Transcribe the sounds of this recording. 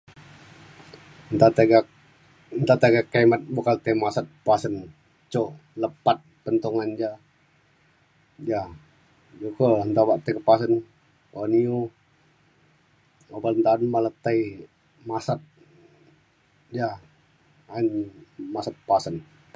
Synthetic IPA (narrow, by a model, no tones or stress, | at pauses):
nt̪at̪ɡa | nt̪at̪aɡakːaimat̪̚bukalət̪ajmasat̪̚pasən | t͡ʃoləpat̪̚pənt̪uŋand͡ʒa | ja | d͡ʒukəənt̪abaʔt̪əkəpas̬ən | aniu | obalnt̪anmalət̪aj | masat̪̚ | d͡ʒa | ainmasat̪̚pasən